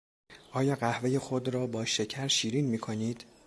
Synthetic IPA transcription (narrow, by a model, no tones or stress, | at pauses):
ʔɒːjɒːɢæhve̞je̞xod̪ɾɒːbɒːʃe̞cʰæɾʃiːɾiːnmiːkʰoniːd̪̥